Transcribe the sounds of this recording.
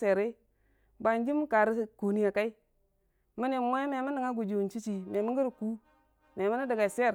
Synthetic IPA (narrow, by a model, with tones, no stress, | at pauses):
se˨ɾe˦ | ba˨nd͡ʒi˦m˦ka˨ɾi˦sku˨ni˦a˨ka˦i˦ | mi˦ni˨mʷe˦me˨mi˦ni˨ŋa˦ɡu˨d͡ʒi˨wu˨nt͡ʃi˦t͡ʃi˨me˨mi˦ŋɡi˦ɾku˦ | me˨mi˦ni˦də˨ɡa˨se˦˨ɾ